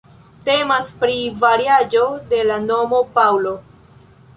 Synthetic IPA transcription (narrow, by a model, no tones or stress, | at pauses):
te̞maspɾivaɾiad͡ʒo̞de̞lano̞mo̞pawlo̞